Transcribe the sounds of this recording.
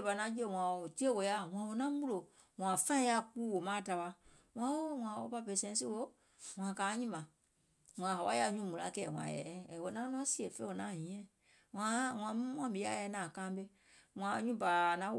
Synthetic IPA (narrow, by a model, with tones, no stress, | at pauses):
ba˨nã˧˦d͡ʒi˦e˦˨w̃ʷã˨o˨ti˦e˦wo˨ja˦ŋã˨˦wo˧˦nã˦mũ˦lo˨ | ŋ̃ã˨fã˦ja˧˨k͡puː˦wo˨mãː˦˨ta˨˧wa˧ | ŋ̃ã˨˦wo˦w̃ʷã˨wo̰˦pa˧pɛ˧˨˦sɛ̃˧˦si˦wo˦ | w̃ã˨kaː˨˦ɲĩ˦mã˨ | ŋã˨ɦa˨wa˦ja˧˨˦ɲũ˦mũ˨la̰˨˦kɛː˨w̃ã̰˨jɛ̰˨˦˨wo˧˦nã˦lɔ̃˦si˦e˨fe˦wo˨˦nãː˨˦˨ɲĩ˨˦ɛ̃˦ | ŋã˨˦ŋã˨mũ˦wʷã˨˦bi˨˦a̰˦ɛ˧˦nãː˨kãː˦be˧ | wã˨˦ɲũ˦ba˨nã˨˦